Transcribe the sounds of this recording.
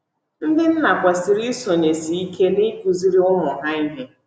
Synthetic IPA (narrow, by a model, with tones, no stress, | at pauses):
n̩˦dɪ˦n̩˦na˨kʷa˨si˨ɾi˦so˨ne˨si˨i˦ke˦ni˦ku˨zi˦ɾi˦ʊ˦mʊ˨ɦa˦i˦ɦe˦